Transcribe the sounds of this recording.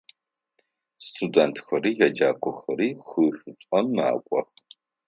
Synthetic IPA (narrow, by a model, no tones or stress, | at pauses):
stʰudɐntʰxɐɾiːjɛd͡ʒaːkʷʰɔxɐɾiːχɨːɕʷʊt͡sʷʼɐmːa̰ːkʷʼɔ̰x